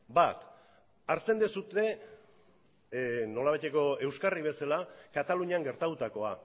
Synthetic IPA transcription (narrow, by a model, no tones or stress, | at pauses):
bat̪ | aɾt͡se̞nd̪esut̪e̞ | no̞laβajt̪e̞ko̞e̞wskariβ̞e̞salakat̪aluɲiaŋɡe̞ɾt̪at̪ut̪ako̞a̰